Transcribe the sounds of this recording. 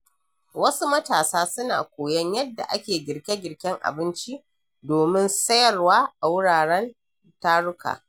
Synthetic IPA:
wɐ˦su˦mɐ˦taː˨saː˦sʊ˦na̰ː˨kʷoː˨jɐ˦ɲjɐ˦dːa̰˨ʔa˦kʲeː˨ɡʲɪ˨ɽkʲe˦ɡʲɪ˨ɽkʲɪ˦ŋʔa̰˨bɪ˦nt͡ʃi˦ʔ | doː˨mɪ˦nsɐ˦jɐ˨rwaː˦ʔa˨wʊ˦ɽaː˨ɽɛ˦n | taː˦ɽʊ˦ka̰ː˨

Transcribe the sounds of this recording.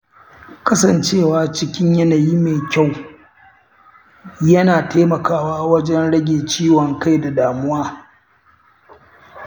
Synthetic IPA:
kɐ˦sɐ˨nt͡ʃeː˦˨waː˦t͡ʃɪ˦kʲɪ˦ɲjɐ˦naː˨ji˦meː˨kʲa˦˨w | jɐ˦naː˨teː˦mɐ˨kaː˦waː˦wɐ˦d͡ʒɛ˦nɽɐ˦ɡʲeː˨t͡ʃiː˦wɔ˨ŋka˦jda˨daː˨mʊ˦waː˦

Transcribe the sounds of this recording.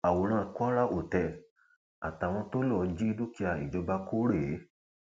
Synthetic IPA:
a˨wo˨ɾ̃ã˦˧ku˦a˦ɾa˦ʔo˨tɛ˧ | a̰˨ta˨w̃ɔ̃˧to˦lɔ˧˨d͡ʒi˦do˦ki˧a˧˨ḭ˨d͡ʒɔ˧ba˧ko˦ɾe˦˨˦

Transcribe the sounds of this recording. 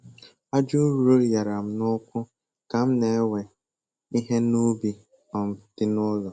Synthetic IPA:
a˦d͡ʒu˦ɾu˨ɾo˦ja˨ɾa˨m̩˦nʊ˦kʷʊ˦ | ka˨m̩˦ne˨e˦we˨ | i˦ɦe˦nu˦bi˦ | ɔ˨m̩˨tɪ˦nʊ˦lɔ˨

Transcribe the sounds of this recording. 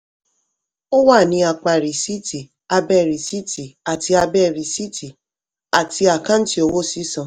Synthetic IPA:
o˦wa˦˨nĩ˨˧˦a˧k͡pa˨ɾi˨si˦tʰi˨ | a˧bɛ˦˨ɾi˨si˦tʰi˨a˨ti˧a˧bɛ˦˨ɾi˨si˦ti˨ | a˨ti˧a˨kã˦n̩˦ti˦o˧wo˦si˨˦sã˨

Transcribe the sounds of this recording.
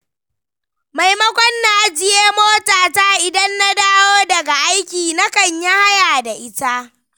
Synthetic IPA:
ma˨jmɐ˦kʷɔ˦nːa˨ʔa˦d͡ʒɪ˦jeː˦moː˦taː˨taː˦ʔɪ˨dɐ˦nːa˦daː˦woː˦dɐ˨ɡa˨ʔa˦jkʲiː˨na˦kɐ˨ɲja˦ha˦jaː˨da˨ʔɪ˦ta˦ʔ

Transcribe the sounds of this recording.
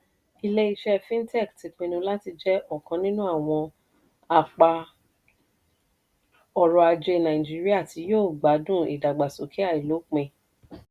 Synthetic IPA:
i˧le˦i˧ʃɛ˦fĩ˦n̩˦tɛ˦˨kti˨˧k͡pĩ˧nũ˧la˦ti˧d͡ʒɛ˦ʔɔ˦˨kã˧nĩ˦nũ˦a˦˨w̃ɔ̃˧ | a˨k͡pa˧ | ɔ˨ɾɔ˧a˧d͡ʒe˧nã˨ĩ˨d͡ʒi˦ɾi˦a˦˨ti˧joː˦˨ɡ͡ba˨˦dũ˦˨ḭ˨da˨ɡ͡ba˨so˨kʰi˦a˦˨i˨lo˨˦k͡pẽ˧˨

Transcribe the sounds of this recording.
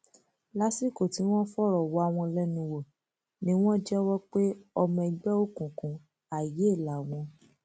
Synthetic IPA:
la˨˦si˦˨ko˨ti˨˦w̃ɔ̃˦fɔ˦ɾɔ˨wɔ˨˦a˧˨w̃ɔ̃˧lɛ˦nũ˧wo˨ | nĩ˦w̃ɔ̃˦d͡ʒɛ˦wɔ˦k͡pe˦ɔ˧mɔ̃˧ɛ˧ɡ͡bɛ˦o˦kũ˨kũ˧ | a˨je˨˦˨la˨w̃ɔ̃˧

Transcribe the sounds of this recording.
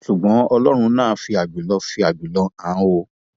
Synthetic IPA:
ʃu˨ɡ͡bɔ̃˨˦ɔ˧lɔ˦ɾ̃ũ˧nãː˦˨˦fi˧a˨ɡ͡bi˨lɔ˧˦fi˧a˨ɡ͡bi˨lɔ˧˦ã˨˦wo˧

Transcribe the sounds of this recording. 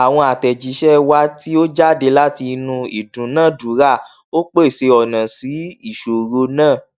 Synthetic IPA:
a˨w̃ɔ̃˧a˨tɛ˨d͡ʒi˨˦ʃɛ˦wa˦ti˦o˦d͡ʒa˦˨de˨˧˦la˦ti˧nũ˧i˨dũ˨˦nã˦˨du˨˦ɾa˦˨ | o˦k͡pe˦i˦˨se˧ɔ˨nã˨si˨˦i˦˨ʃo˨ɾo˧nãː˦˨

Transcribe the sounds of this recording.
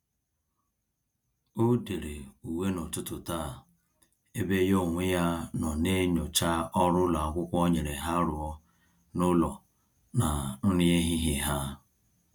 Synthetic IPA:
o˦de˨ɾe˨u˨we˦nʊ˨tʊ˦tʊ˨ta˦˨ | e˦be˦jo˦˨ŋʷe˦ja˦nɔ˨ne˦ɲʊ˨t͡ʃa˦ɔ˦ɾʊ˦la˨a˨ɡʷʊ˦kʷɔ˦ɲe˨ɾe˨ɦa˦ɾʊ˨ɔ˦ | nʊ˦lɔ˨ | na˨nʊ˦ni˦e˦ɦi˦ɦi˨ɦa˦

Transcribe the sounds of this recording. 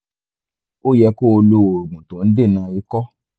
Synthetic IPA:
o˦jɛ˧ko˦o˧lo˧˦o˨ɾu˨ɡ͡bũ˨tõ˨˦n̩˦de˦˨nãː˧i˧˦kɔ˦

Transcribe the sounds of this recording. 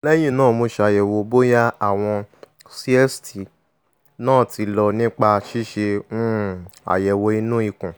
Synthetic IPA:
lɛ˦ji˦˨nãː˦˨mo˧ʃe˧a˨jɛ˨wo˧bo˦ja˦a˦˨w̃ɔ̃˧ | si˧˦ɛ˦sti˨ | nãː˦˨ti˨˧lɔ˧nĩ˦k͡pa˧ʃi˦ʃẽ˧˦ | a̰˨jɛ˨wo˧i˧nũ˦i˧kũ˨

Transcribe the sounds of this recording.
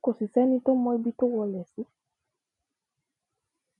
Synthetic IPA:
ko˨si˨sɛ˦ni˦to˦mɔ˧˦jbi˦to˦wɔ˧lɛ˨si˦

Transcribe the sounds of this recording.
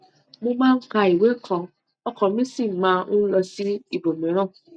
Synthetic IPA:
mo˧mãː˦ŋ̩˦ka˧i˨we˦kʰɔ̃˧ | ɔ˦kɔ̃˨mĩ˦sĩ˦˨mãː˦ũ˦lɔ˧si˦i˦˨bo˨mĩ˨˦ɾ̃ɔ̃˦˨

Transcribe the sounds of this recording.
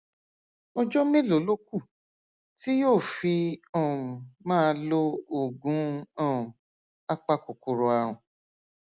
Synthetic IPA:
ɔ˧d͡ʒɔ˦mẽ˦lo˨˦lo˦k̚u˦˨ | ti˦joː˦˨fi˧ɔ̃˦˨mãː˦˧lo˧o˨ɡũ˨˦ɔ̃˦˨ | a˦k͡pa˦ko˨ku˨ɾo˧a˧ɾ̃ũ˨

